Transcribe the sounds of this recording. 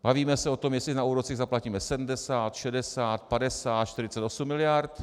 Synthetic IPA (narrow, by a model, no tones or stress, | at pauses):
b̥aviːmɛsɛo̞t̪omjɛslɪnauːɾot͡siɣzaplaciːmɛsɛdm̩dɛsaːt̪ʃɛdɛsaːt̪̚padɛsaːt̪ʃt̪ɪɾɪt͡sɛt̪osumːɪlɪjaɾt̪